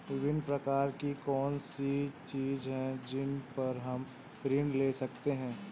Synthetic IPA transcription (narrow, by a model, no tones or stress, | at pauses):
ʋɪbɪnpɾɐkaːɾkikɔːnsit͡ʃiːzɦɛ̃d͡ʒɪnpɐɾɦɐm | pɾɪ̃ɳɖleːsɐkt̪eɦɛ̃ː